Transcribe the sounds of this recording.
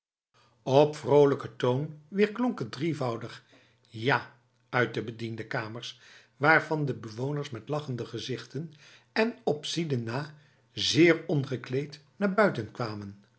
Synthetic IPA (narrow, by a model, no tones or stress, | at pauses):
ɔpfrowləkətownʋɪːɹklɔŋkədrivɑwdəχ | jaː | œɥt̚dəbədindəkaːməɹs | ʋaːɹvɑndəbəʋownəɹsmɛtlɑχəndəχəzɪχtən | ɛnɔpsidənaː | zɪːɹɔnχəklejtnaːɹbœɥtənkʋaːmən